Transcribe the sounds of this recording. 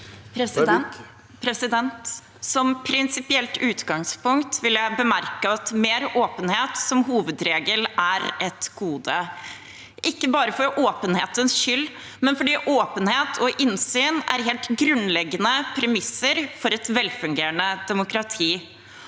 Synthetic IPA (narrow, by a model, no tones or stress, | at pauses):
p̪ | pʰɾɛsɪd̪ɛnt̪ | sɔmpʰɾɪnsɪpɪɛlt̪ʉːt̪ɡɑŋspʊŋkt̪ʋɪljæɪbəmæɾkəɑt̪meːɾoːpənheːt̪sɔmɦuːʋəd̪ɾeːɡəlæɾʔɛt̪ɡ̥uːd̪ə | ʔɪkːəbɑːɾəfɔɾʔoːpənheːt̪ənsʃʏlː | mɛnfɔɖiːʔoːpənheːt̪ʰɔʔɪnsyːnæ̰ɾɦeːlt̪ɡɾʉnlɛɡənəpʰɾɛmɪsːəɾfɔɾɛt̪ʋɛlfʉŋɡeːɾɳəd̪ɛmʊkɾɑt̪ʰiː